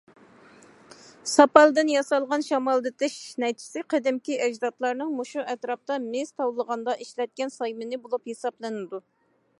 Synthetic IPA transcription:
sɑpɑlˠd̪ɨnjɑsɑlˠʁɑnʃɑmɑlˠd̪ɨt̪ʰɪʃnɛjt̪ʰi̥sɪqʰɛd̪ɪmkʲiʔɛd͡ʒd̪ɑt̪lˠɑɾnɨŋmoʃuʔɛt̪ɾɑp̚t̪ɑmɪz̥t̪ʰɑwlˠəʁɑnd̪ɑʔiʃlɛt̪̚kʲɛnsɑjmɪnɪbolˠuphesɑblˠɨnɨd̪u

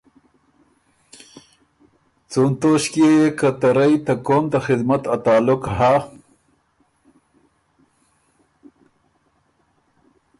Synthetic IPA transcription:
t͡sunt̪oʃkjejekat̪aɾajt̪akomt̪axɪd̪mat̪at̪ɑːlʊkha

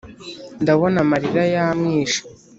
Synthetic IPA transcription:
ndaβo̞namaɾiɾajamŋiːʃḁ

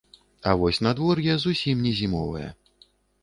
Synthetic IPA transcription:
ɐvɔsʲnad̪vɔrjazusʲimnʲɛzʲimɔvɨ̰jɛ̰

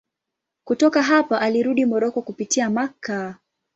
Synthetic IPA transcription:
kutɔkaɦapaʔaliɾuɗimɔɾɔkɔkupitiamaka

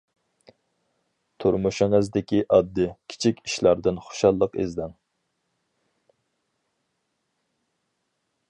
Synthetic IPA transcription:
t̪ʰuɾmuʃɪŋɨzd̪ɪkʲiʔɑd̪ːɨkʲʰi̥t͡ʃʰikʲiʃlˠɑɾd̪ɨnχo̥ʃɑlˠːəqḛzd̪ɪŋ

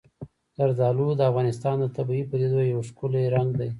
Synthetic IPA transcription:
d̪aɾzɑlud̪əafɣɑnɪst̪ɑnd̪ət̪abipəd̪ed̪ojjawʂkʊleɾaŋɡd̪aj

